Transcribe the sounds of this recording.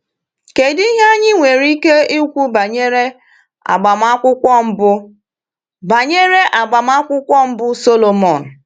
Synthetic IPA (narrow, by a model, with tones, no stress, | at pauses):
ke˨di˦i˦ɦa˦ɲɪ˦ŋʷe˨ɾi˦ke˦i˦kʷu˦ba˨ɲe˦ɾe˦ | a̰˨ɡ͡ba˨m˦a˦kʷʊ˦kʷɔ˦m̩˦bʊ˦ | ba˨ɲe˦ɾe˦ʔa˨ɡ͡ba˨m˦a˦kʷʊ˦kʷɔ˦m̩˦bʊ˦so˦lo˨mɔ˨n̩˨